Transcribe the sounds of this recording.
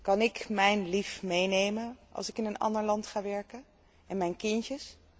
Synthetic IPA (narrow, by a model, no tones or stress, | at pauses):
kɑnɪkmɛjnlifmejnejmənʔɑ̰lˠsɪkɪnənɑ̰ndəɹlɑntχaːʋɛɹkən | ʔɛnmɛjnkɪncəs